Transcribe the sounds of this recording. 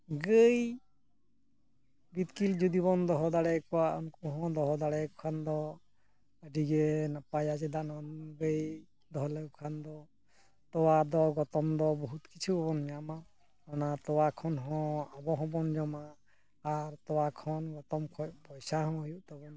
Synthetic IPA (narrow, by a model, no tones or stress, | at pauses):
ɡəj | bit̪kild͡ʒud̪iβɔnd̪ɔɦɔd̪aɽɛkɔwaʔɔnkɔɦɔ̃d̪ɔɦɔd̪aɽɛkʰand̪ɔ | əɖiɡɛnapajad͡ʒɛd̪anɔnɡəj | d̪ɔɦɔləkʰand̪ɔ | t̪ɔwad̪ɔɡɔt̪ɔmd̪ɔbɔɦut̪̚kit͡ʃʰubɔbɔnjama | ɔnat̪ɔwakʰɔnɦɔ̃abɔɦɔ̃bɔnd͡ʒɔmaː | ɾt̪ɔwakʰɔnɡɔt̪ɔmkʰɔc̚pɔjsaɦɔ̃ɔjuʔt̪ɔbɔn